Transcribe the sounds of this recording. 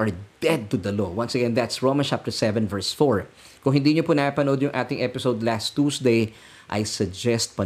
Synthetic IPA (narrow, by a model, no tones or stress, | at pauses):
ɐɹd̪ɛd̪̚t̪ʊd̪ɐlowɐ̃nsɐɡɛ̃nd̪at̪sɹoʊmɐnt͡ʃap̚t̪ɛɹsɛvɛ̃nvɛɹsfoɹ | kʊŋhɪnd̪iːɲopʊnɐʔapɐnod̪jʊŋʔaːt̪ɪŋʔɛpɪsowd̪last̪ːuːsd̪ej | ʔɐ̰jsɐɡ̚d͡ʒɛst̪̚pɐ